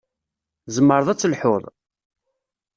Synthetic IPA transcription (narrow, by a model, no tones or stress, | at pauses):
zəmːəɾðˤæt͡sːəlħʊðˤ